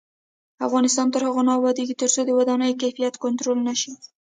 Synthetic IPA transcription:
afɣɑnɪst̪ɑnt̪əɾhaɣonɑwɑd̪eɡit̪əɾt͡sod̪əwad̪ɑnəjkajfijat̪kʊnt̪ɾolnaʃi

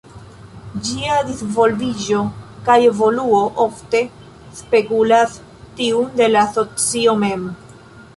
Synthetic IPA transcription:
d͡ʒiadisvo̞lvid͡ʒo̞kaje̞vo̞luo̞ʔofte̞ | spe̞kulas | tiunde̞laso̞t͡sio̞me̞m

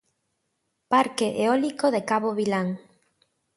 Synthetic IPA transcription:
paɾkeʔeɔlikoðekaβoβilaŋ

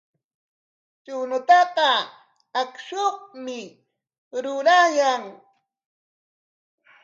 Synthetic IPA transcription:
t͡ʃʊnʊt̪ɑqɑ | akʃoχmɪ | ɾʊɾajaŋ

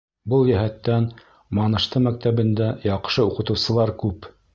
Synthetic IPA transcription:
bɤlˠjæɦæt̪ːæn | mɑnɤ̆ʃt̪ɤmæk̚t̪æβɘ̆nd̪æjɑqʃɤuqɤ̆t̪ɤ̆wsɤ̆lˠɑɾkʉp

